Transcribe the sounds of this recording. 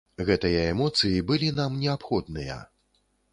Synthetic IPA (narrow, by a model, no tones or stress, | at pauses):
ɣɛt̪ɨjɐɛmɔt̪sɨjibɨlʲinamnʲɛapxɔd̪nɨjɐ̰